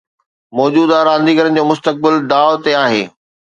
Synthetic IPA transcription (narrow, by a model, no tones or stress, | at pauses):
mɔːd͡ʑuːd̪aːɾãːnd̪iːɡəɾən̆d͡ʑoːmʊst̪ək̚bɪld̪aːʊt̪eaːɦeː